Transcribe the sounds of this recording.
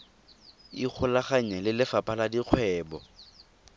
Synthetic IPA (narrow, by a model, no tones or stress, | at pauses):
ik͡xʰʊlaχaɲɛlɪlɪfapʼaladiq͡χʰwɛːbɔ̰